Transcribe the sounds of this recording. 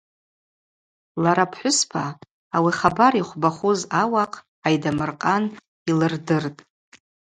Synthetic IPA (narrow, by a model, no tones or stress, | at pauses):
laɾapʰħʷʊspʰaː | wiχabaɾiχʷbaχʷuzawaqʰʼ | ajdamɨrqʼan | ilɨrdɨrtʼ